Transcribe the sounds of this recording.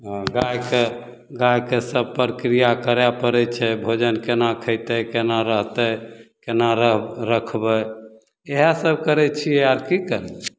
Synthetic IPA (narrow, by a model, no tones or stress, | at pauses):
ɡajke | ɡajkesəb̚pɾəkɾijakəɾɛpəɾɛt͡ʃʰɛbʱod͡ʒənkenakʰəɪt̪əkenaɾəɦt̪əkenaɾəɦɾəkʰbəj | eɦasəb̚kəɾɛt͡ʃʰieaɾkikəɾɛi̥